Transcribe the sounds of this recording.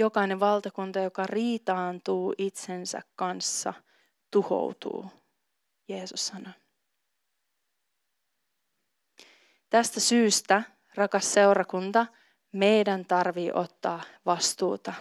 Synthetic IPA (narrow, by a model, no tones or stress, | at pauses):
jo̞kɑjne̞ʋʋɑlt̪ɑkunt̪ɑjokɑriːt̪ɑːnt̪uːʔit̪sensæ̰kkɑnsːɑ̰ | t̪uho̞̰wt̪ṵː | je̞ːsusːɑno | t̪æst̪æsyːst̪æ | rɑkɑsːe̞wrɑkunt̪ɑ | me̞jdænt̪ɑrʋiːʔo̞t̪ːɑːʋɑst̪uːt̪ɑ